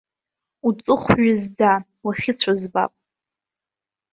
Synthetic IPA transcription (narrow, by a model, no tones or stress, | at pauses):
ut͡sʼɨχʷɥɪzda | waχʲɪt͡sʷʰazba̰pʼ